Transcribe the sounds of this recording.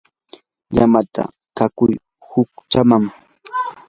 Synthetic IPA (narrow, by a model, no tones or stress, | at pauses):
ʎamat̪a̰ | kakʊj | hʊk̚t͡ʃamam